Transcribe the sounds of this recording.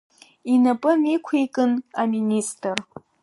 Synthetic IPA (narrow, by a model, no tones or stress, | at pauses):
inapʼɨmikʷʰejkʼɨnaministʼɨr